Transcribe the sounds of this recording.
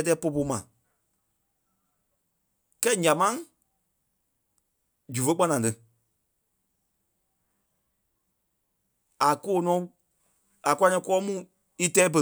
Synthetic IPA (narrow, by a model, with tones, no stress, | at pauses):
ɛ˧t̬ɛː˧˦po˧po˧mã̰˨ | kɛ˦˨ɲã˨mã˦ | d͡ʒu˨fə˧˦k͡pa˧nã˨tɨ˧˨ | a˨ko˦˨˦nɔ̃˨˦ | a˨kʷa˧nɛ̃˧˦kɔː˦mũ˦˨ | i˦tɛː˨˦bə˧